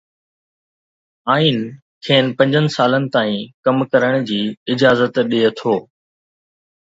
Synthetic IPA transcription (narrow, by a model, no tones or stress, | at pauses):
aːiːn | kʰeːnpɐ̃ɲd͡ʑʱənɪ̆saːlənɪ̆t̪aːĩkɐmkɐɾəɽ̃d͡ʑiːɪd͡ʑaːzət̪ɗeːt̪ʰoː